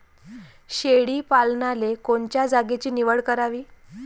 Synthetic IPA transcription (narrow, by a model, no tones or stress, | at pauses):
ɕeɽiːpalnalekoɳt͡ɕjad͡zaɡet͡ɕiːniʋəɭkəɾaʋiː